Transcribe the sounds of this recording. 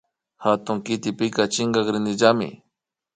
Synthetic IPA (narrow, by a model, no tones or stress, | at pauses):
xat̪ʊŋkɪt̪ɪpɪkat͡ʃɪŋɡɑkɾɪnɪʒamɪ̰